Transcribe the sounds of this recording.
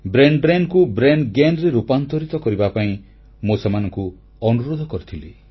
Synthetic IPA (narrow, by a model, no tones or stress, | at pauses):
bɾenɖbɾenkubɾenɡenɾeɾupant̪ɔɾit̪ɔkɔɾibapaĩ | mosemanɔŋku | ɔnuɾod̪ʱɔkɔɾit̪ʰile